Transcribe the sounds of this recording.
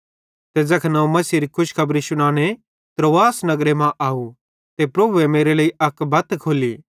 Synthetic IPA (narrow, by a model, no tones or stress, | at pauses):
t̪ed͡zɐkʰnɐũmɐsiɾikʰʊʃkʰɐbɾiʃʊɽ̃aːñe | t̪ɾoːaːsnɐɡɾemãʔaːu | t̪epɾɐbʱuemeːɾeləːiɐkbɐt̪kʰoːliː